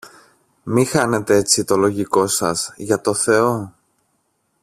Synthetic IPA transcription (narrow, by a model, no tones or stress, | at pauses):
mixɐne̞t̪ee̞t͡sit̪o̞lo̞ʝiko̞sɐ̰zʝɐt̪o̞θe̞o̞